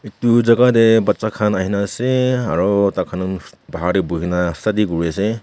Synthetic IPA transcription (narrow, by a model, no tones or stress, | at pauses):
etuzaɡadebatsakʰanaɦinaseaɹɔtakʰanɯnbaɦaɾibuɦinasadiɡuɹase